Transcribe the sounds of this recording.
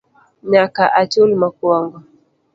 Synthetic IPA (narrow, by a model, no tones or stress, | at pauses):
ɲakaʔat͡ʃulmakuaŋɡɔ